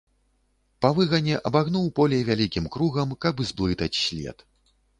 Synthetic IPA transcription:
pavɨɣɐnʲɛʔɐbaɣnuwpɔlʲɛjvʲalʲikʲimkɾuɣɐmkɐbzblˠɨt̪ɐt͡sʲsʲlʲɛ̰t̪

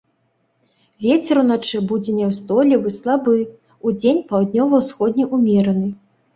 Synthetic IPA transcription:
vʲet͡sʲɛɾunat͡ʂɨbud͡zʲɛnʲɛwst̪ɔlʲɛvɨslˠabɨ | ud͡zʲenʲpawd̪ʲnʲɔvɐwsxɔd̪ʲnʲiʔumʲɛɾɐnɨ

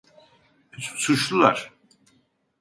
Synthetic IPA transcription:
suʃlˠulˠa̰ɾ̥

